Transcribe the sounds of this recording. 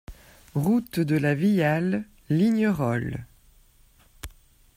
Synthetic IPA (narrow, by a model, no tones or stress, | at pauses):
ʁut̪d̪əlavijalː | iɲəʁɔl